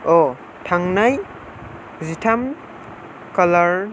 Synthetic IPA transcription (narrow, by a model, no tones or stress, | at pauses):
o | tʰaŋnaj | zitʰam | kalaɾ